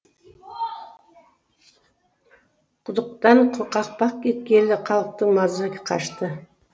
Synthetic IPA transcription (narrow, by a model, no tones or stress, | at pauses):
qʰʊd̪əq̚t̪ɑɴqʰoqɑq̚pɑq̚kʲʰet̪̚kʲelɪqʰɑlˠəq̚t̪əŋmɑzakʲɪ̥qʰɑ̰ʃt̪ə